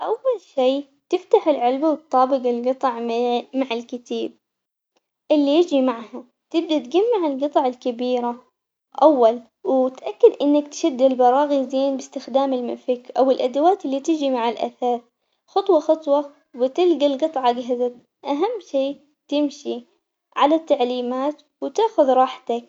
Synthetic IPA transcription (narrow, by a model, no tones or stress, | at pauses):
ʔawːalʃiː | t̪ɪft̪aħɪlʕɪlbawt̪̚ːɑːbɪɡɪlɡɨt̪ˤʕmaʕɪlkɪt̪aːb̚ | ʔɪlːijɪd͡ʒimaʕha | t̪ɪb̚d̪at̪ɡamːaʕɪlɡɨt̪ˤɑʕalkabiːɾa | ʔawːal | wt̪ʔakːɪd̪ʔɪnːakt̪ʃad̪ːɪlbɑɾˤɑːɣizeːnbɪst̪ɪxd̪aːmɪlmɪfɪkʔawɪlʔad̪awaːt̪ʔɪlːit̪ɪd͡ʒimaʕalʔa̰θaːθ | xɑt̪ˤwɑxɑt̪ˤwɑ | wɪt̪ɪlɡalɡɨt̪ˤʕɑɡaɦɪza | ʔaɦamːʃiː | t̪ɪmʃi | ʕalat̪ːaʕliːmaːt̪ | wt̪aːxʊðɾˤɑːħt̪ak̚